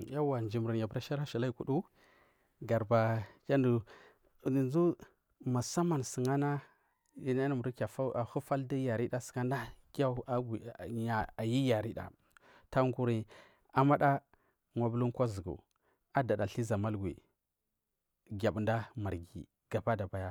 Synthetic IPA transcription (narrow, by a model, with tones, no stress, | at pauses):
ja˦wa˨nd͡ʒi˨mɾi˨nja˨bɾa˦ʃa˦ɾa˦ʃi˨la˦i˦˨ku˨ɗu˦ | ɡa˨ɾba˨kʲa˦ndu˨ | ni˨nzu˦ | ma˨sa˦ma˨nsi˨ŋa˦na˦ | i˨na˦a˨mu˨ɾi˦ka˨fa˦a˨hu˦fa˦ldi˦ja˨ɾi˦ɗa˦si̥˨ŋa˦n˦da˦kʲa˦a˦ɡi˨ɲa˨a˨ji˦ja˨ɾi˦da̰˨ | ta˦ŋɡu˦ɾi˨ | a˨ma˦ɗa˦ | ŋʷa˨bu˦lu˦nkʷa˦zu˨ɡṵ˨ | a˦da˨da˨ɬi˦za˨ma˦lɡwḭ˨ | ɡʲa˨bnda˦ma˨ɾɡḭ˨ | ɡ̥a˨ba˦da˨ba˨ja˦